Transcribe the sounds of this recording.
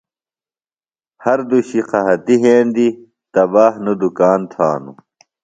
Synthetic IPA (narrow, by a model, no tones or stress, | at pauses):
hɐɾd̪uɕiqʰɐɦɐt̪iɦẽːnd̪i | t̪ɐbaːhnud̪ukaːnt̪ʰaːnṵ